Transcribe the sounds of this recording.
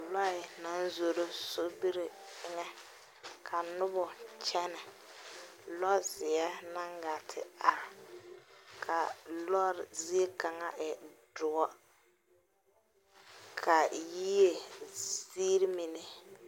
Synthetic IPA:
lɔ˦ɪ˨na˦n˦zo˨ɾo˦so˦bi˦ɾɪ˨ɪ˦ŋɛ˦ | kʰa˨nʊ˦bʊ˨t͡ʃɛ˦nɛ˨ | lɔ˦zɪ˨a˦na˦ŋɡa˨tʰɪ̰˨a˨ | kʰa˨lɔ˦ɾzi˦e˦ka˨ŋa˦ʔɛ˨dʊ˨ɔ˦ | kʰa˨ji˦je˨siː˦ɾi˦mi˨nɪ˦

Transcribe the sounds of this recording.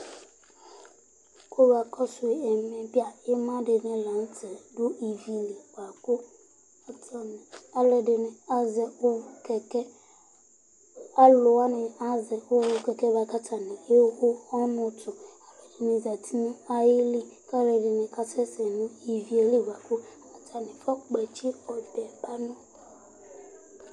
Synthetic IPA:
kʰo˦ba˨kʰɔ˦sʊ˨ɛ˨mɛ̃˨bi˦a˨e˦mã˦dɪ˨nɪ̃˦lã˨n˦tʰɛ˨dʊ˦i˨vi˨li˨ba˨kʊ˦ | a˦tɔ˨nɪ̃˨a˦lɛ˨dɪ˨nɪ̃˨a˦zɛ˨ʊ˦kʰɛ˨kɛ˦ | a˦lʊ˨wa˦nɪ̃˨a˦zɛ˨wʊ˦wʊ˦kɛ˨kɛ˦ba˨ka˦tʰa˨nɪ̃˨le˦xʊ˦ɔ˦nʊ̃˦tʰʊ˨a˨lɛ˨dɪ˨nɪ̃˨za˨tʰi˦nʊ̃˦a˦jɪ˦li˦ka˦lɛ˨dɪ˨nɪ̃˨kʰa˦tʰɛ˦sɛ˨nʊ̃˦i˨vi˨e˨li˦˨ɡʷa˨kʊ˦˨a˨tʰa˨nɪ̃˨fa˦k͡pɛ˨t͡ʃʰi˦ɔ˨dɛ˨ba˦nʊ̃˦

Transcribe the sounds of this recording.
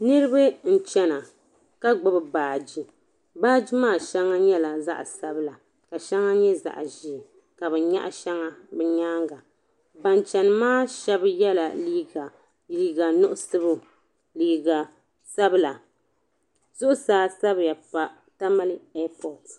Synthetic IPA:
nɨ˦ɾɨ˦bɨ˦n̩˨t͡ʃɛ˦na˨ | ka˦ɡ͡bʊ˦bɨ˨baː˨d͡ʒi˦ | baː˦d͡ʒi˦maː˦˨ʃɛ˦ŋːa˦ɲɛ˦la˨za̰˦ʔsa˦bɨ˦la˨ | ka˨ʃɛ˦ŋa˦ɲɛ˦za̰˨ʔʒi˨ | ka˨bɛ˨ɲa̰˦ʔa˦ʃɛ˦ŋa˦bɛ˦ɲaː˦ŋɡa˨ | ba˨nt͡ʃɛ˨nɨ˨maː˦ʃɛ˦bjɛ˦la˨liː˦ɡa˨ | liː˦ɡa˨nʊ˦ʔʊ˦sɨ˦bʊ˦ | liː˨ɡa˨ | sa˦bɨ˦la˨ | zʊ˦ʔʊ˦saː˦sa˦bja˨pa˨ | ta˦ma˦lɨ˦ɛ˦pɔ˨t

